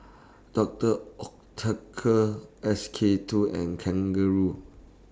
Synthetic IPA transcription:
d̥ɔk̚təɔk̚tʰəkʰəɛskʰetʰuɛ̰̃nkʰɛ̃ŋɡəɹu

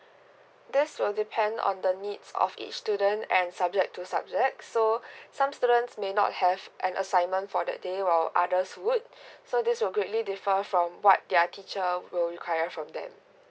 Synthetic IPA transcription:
dɪswɪldipʰɛ̃ndɔ̰̃ndənidsɔ̰fḭt͡ʃstudə̃ntɛ̃nsab̚d͡ʒɛk̚tʰːusab̚d͡ʒɛk̚sosãmstudə̃ntsmenɔ̰t̚hɛvʔɛ̃nʔəsãɪ̃nmə̃ntfɔdɛ̰t̚dewaɪlʔadəswud̚sodɪswɪlɡɹetlidifəfɹɔ̃mwɔ̰t̚dɛətʰit͡ʃəwɪlɹikʰwajəfɹɔ̃mdɛ̰̃m

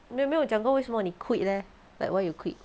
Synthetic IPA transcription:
memewud͡ʒãŋɡowesɔmɔnikʰwiʔ̚lɛ | la̰jkwajukʰwit̚

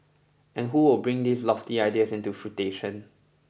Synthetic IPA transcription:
ɛ̃nɦuwɪlbɹɪ̃ŋd̪islɔftiaɪdiəsɪ̃ntufɹuteʃə̃n

